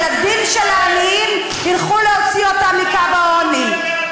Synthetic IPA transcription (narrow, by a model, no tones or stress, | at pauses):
lad̪inʃelaːliim | hilχuleot͡siot̪amikavaoni